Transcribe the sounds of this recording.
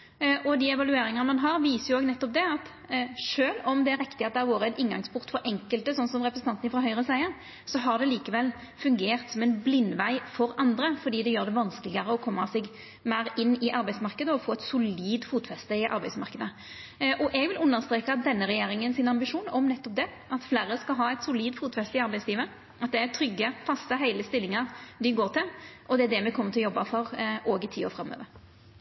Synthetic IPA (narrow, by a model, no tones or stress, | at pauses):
ʔɔd̪iːɛʋɑlʉeːɾɪŋɑnəmɑnɦɑʁʋiːsəjʊoːɡnɛt̪ːɔp̚d̪ɛɑt̪ | ʂøːlɔmd̪ɛæɾɪkt̪ɪɑt̪̚d̪ɛæɾʋoːɾəɛt̪ɪnɡɑŋspʰʊʁt̪fɔɾʔɛŋkəlt̪əsɔnsɔmɾɛpɾəsn̩ɑnt̪nɪfʁɑɦœʏɾəsæɪəɾ | sɔɦɑʁd̪ɛliːkəʋɛlː | fʉŋɡeːʁt̪sɔmɛnblɪnːʋæɪfɔɾɑnd̪ɾəfɔd̪iːd̪ɛjøːɾd̪ɛʋɑnsklɪɡɑɾəɔkʰɔmːɑsɛɡ | mæɪɾɪnːɪʔɑɾbæɪsmɑʁkəd̪əɔfoːɛt̪sʊliːd̪fuːt̪fɛst̪əɪʔɑ̰ɾbæɪsmɑʁkəd̪ə | ʔɔʔɛɡʋɪlʉnːəɾst̪ɾeːkɑd̪ɛnːəɾɛjeːɾɪŋənsɪnɑmbɪʂuːnɔmnɛt̪ːɔp̚d̪ɛ | ɑt̪fleːɾəskɑlɦɑːɛt̪sʊliːd̪fuːt̪fɛst̪əɪɑɾbæɪsliːʋə | ʔɑt̪̚d̪ɛæɾt̪ʰɾʏɡːəpʰɑst̪əɦæɪləst̪ɪlːɪŋɑʁd̪ɪɡoːɾt̪ʰɪlʔɔd̪ɛæd̪ɛmɛkʰɔmːəɾt̪ɪlɔjɔbːɑfɔɾʔoːɡɪt̪ʰiːo̰ːɾfɾɑmːø̰ːʋəɾ